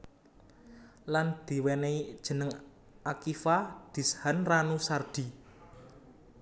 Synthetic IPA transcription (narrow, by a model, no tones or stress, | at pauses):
land̪̥i̤wɛneid̥ʒ̥ə̤nəŋ | akifad̪̥i̤shanranusard̪̥i̤